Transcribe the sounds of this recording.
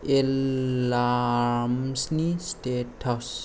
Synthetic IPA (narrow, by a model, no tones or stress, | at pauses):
elːamsnisʈeʈʰɔs